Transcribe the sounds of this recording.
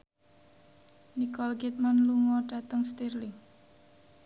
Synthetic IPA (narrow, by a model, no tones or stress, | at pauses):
nikɔlkit̪̚manluŋɔɖ̥a̤t̪əŋst̪irlɪŋ